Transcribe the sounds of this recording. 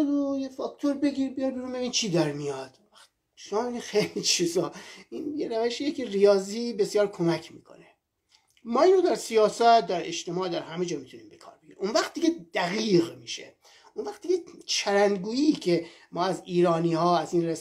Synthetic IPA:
d̪ojefɒkt̪ʰoɾbe̞ɡiːɾbijɒjɾbeɾunbeviːnt͡ʃʰiːd̪æɾmijɒd̪̥onvæxt̪ | ʃomɒːmeɡixejlit͡ʃʰizɒːinjeɾævæʃijecʰrijɒːziːbe̞sjɒːɾkʰo̞mæcʰmḭːkʰo̰ne | mɒːiːnod̪æɾsijɒːsæt̪̚d̪æɾeʃt̪e̞mɒːd̪æɾhæmed͡ʒɒːmit̪ʰuniːmbekʰɒ̰ːɾbeɡiɾimonvæxt̪d̪iɡed̪̥æɣiːɣmiːʃḛ | onvæxt̪̚iɟet͡ʃʰæɾænɡuːiːcʰemɒːæziːɾɒːniːhɒːæziːnres

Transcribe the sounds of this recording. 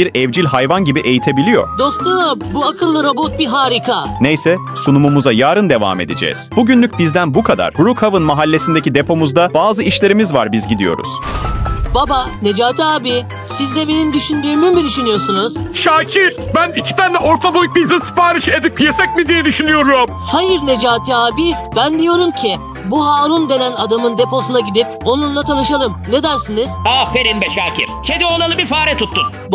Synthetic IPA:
biɾɛvd͡ʒilʲɦajvanɟibiʔe̞jit̪ʰe̞bilʲijo̞̰ɾ̥d̪o̞st̪ɯbuakʰɯlˠːɯɾo̞bot̪̚biɦaːɾikʰanejsɛ | sunumumuzajaːɾɯnd̪e̞va̰ːme̞d̪ed͡ʒɛ̰ːz̥b̥uɟynlʲyc̚bizd̪ænbukʰad̪a̰ɾ̥bɾukhavɯnmaɦalʲːe̞sind̪ecʰid̪e̞pʰo̞muzd̪abaːzɯiʃlʲe̞ɾimizva̰ɾbizɟid̪ijo̞̰ɾṵz̥ | babane̞d͡ʒaːt̪aːbi | sizd̪ʲɛbe̞nimd̪yʃynd̪yːmymbiɾiʃynyjo̞sunuz̥ʃaːcʰiɾ̥bænicʰi̥t̪ʰænd̪ɛʔoɾt̪ʰabojuk̚bizinsɯ̥paːɾɯʃed̪ikjesɛc̚mid̪ijɛd̪yʃynyjo̞ɾum | hajɯɾne̞d͡ʒaːt̪ʰiaːbibænd̪ijo̞ɾumcʰi | buɦaːɾund̪e̞nænad̪amɯnd̪e̞po̞sunaɟid̪ip̚o̞nunlˠat̪ʰanɯʃalˠɯmne̞d̪æɾsɯnɯz̥afeɾinbɛʃaːcʰḭɾt͡ʃʰed̪iolˠalˠɯbifaːɾɛt̪ʰut̪ːun

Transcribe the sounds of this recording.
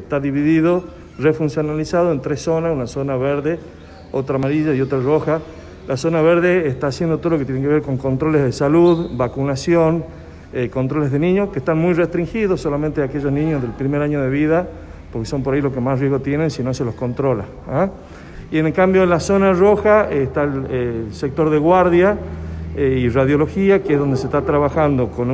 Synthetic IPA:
est̪aðiβiðiðo | refunsjonalisaðoent̪ɾesonasunasonaβeɾðe | ot̪ɾamaɾiʒaio̞t̪ɾaroxa | laso̞naβeɾðeːst̪aːsjend̪ot̪ooloket̪jeneŋk̬eeɾko̞ŋko̞nt̪ɾo̞lezðesaluðbakunasjon | ekont̪ɾole̞zðenĩɲoskest̪anmujrest̪ɾiŋxiðosːolamẽnt̪eake̞ʒo̞znĩɲozðe̞lpɾimeɾaɲoð̞eβiða | poɾkeso̞mpo̞ɾailokemasrjeɣot̪jenensino̞selosko̞nt̪ɾola̰ | a | ienkambjoenlasonaroxaest̪aelesek̚t̪o̞ɾðeɣwaɾðja | iraðjo̞loxiakeezðo̞nd̪ese̞ht̪at̪ɾaβaxand̪o̞kon

